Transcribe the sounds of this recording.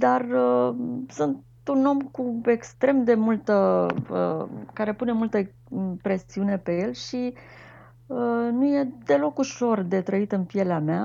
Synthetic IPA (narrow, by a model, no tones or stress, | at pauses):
d̪arəsunt̪ | uno̞mkue̞kst̪ɾe̞md̪e̞mult̪əə̰kaɾe̞pune̞mult̪ə | pɾe̞siune̞pe̞je̞lʃi | ənuje̞d̪e̞lo̞kuʃo̞rd̪e̞t̪ɾəit̪ɨnpije̞leamea